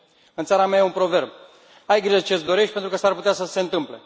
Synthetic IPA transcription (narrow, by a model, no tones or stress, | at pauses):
ɨnt̪saɾameajeunpɾo̞ve̞rb | ajɡɾiet͡ʃet̪sd̪o̞ɾe̞ʃt̪̚ʲpent̪ɾukəsarput̪easəse̞ɨnt̪ɨmple̞̰